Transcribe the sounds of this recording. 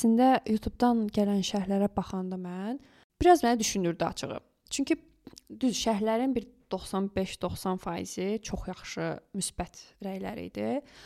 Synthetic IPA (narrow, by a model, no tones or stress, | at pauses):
sind̪æjut̪ʰubd̪ɑnɟælænʃæhlæɾæbɑχɑnd̪ɯmæn | b̥iɾɑzmænæd̪yʃynyɾd̪iɑ̰t͡ʃʰɯɣɯ̰ | t͡ʃʰyɲcʰi | d̪yzʃæhlæɾinbiɾd̪̥o̞χsɑnbe̞ʃd̪o̞χsɑnfɑːjḭz̥it͡ʃʰo̞χjɑχʃɯmysb̥æt̪ʰɾæjlæ̰ɾḭd̪i